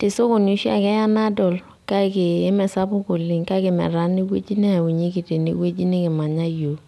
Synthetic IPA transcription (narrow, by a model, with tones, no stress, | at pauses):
tɪ˨so˦ko˨nu˦ʃa̰˨kɛ˦a˦na˦dɔ˨l | ka˦kɪː˨˦mɛ˨sa˦bʊ˦ko˨lɪ˨ŋka˦kɪ˨mɛ̰˨ɾa˨˦ni˦wḛ˦d͡ʒi˦nɛ˦a˨wu˨ɲi˦ki˨te˨nḭ˨we˦d͡ʒi˦nɪ˦kɪ˨ma˨ɲa˦jo˨